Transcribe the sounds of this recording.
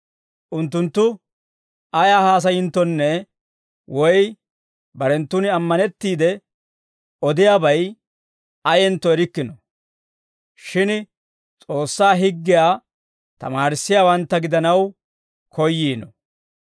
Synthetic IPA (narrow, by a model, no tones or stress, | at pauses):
ʔʊnt̪̬ːʊnt̪ːʊ | ɐjaːhaːs̬ɐjɪnt̪ːɔnːɛ | wɔj | bɐɾɛnt̪ːʊnɪɐmːɐnɛt̪ːiːd̪ɛ | ɔd̪ɪjaːbɐj | ɐjɛnt̪ːɔɛɾɪkːɪnɔ | ʃɪn | t͡sʼo̞ːsːaːɦɪɡːɪjaː | t̪ɐ̰maːɾɪsːɪjaːwɐnt̪ːɐɡɪd̪ɐnɐw | kʰɔjːiːnɔ̰